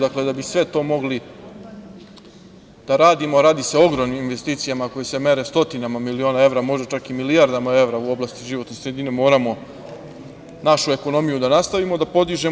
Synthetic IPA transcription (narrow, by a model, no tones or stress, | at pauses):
d̪akle̞d̪abisʋe̞t̪o̞ːmo̞ɡli | d̪̥aɾaːd̪imo̞ɾaːd̪ise̞o̞ɡɾoʋniminʋe̞st̪iːt̪sijamako̞jese̞me̞ɾe̞st̪o̞t̪inamamilio̞ːnae̞vɾamo̞ʒd̪at͡ʃakimilijaɾd̪amae̞ʋɾauo̞blast̪iʒiʋo̞t̪nesɾed̪inemo̞ːɾamo̞ | naʃue̞ko̞no̞mijud̪anast̪aʋimod̪apo̞d̪iʒe̞